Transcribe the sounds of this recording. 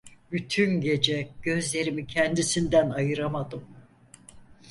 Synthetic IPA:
byt̪ʰynɟe̞d͡ʒɛɟ̥ø̞zlʲe̞ɾimicʰɛnd̪isind̪ænajɯɾamad̪ɯm

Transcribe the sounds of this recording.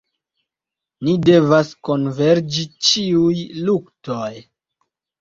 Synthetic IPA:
nide̞vasko̞nve̞ɾd͡ʒit͡ʃiujluktoj

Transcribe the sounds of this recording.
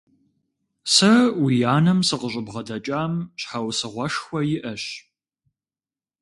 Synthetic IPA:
sɐwijaːnɐmsɨqəʑʼəbʁɐdɐt͡ʃʼaːmɕħawsɨʁʷɐʂxʷɔjɪʔɐɕ

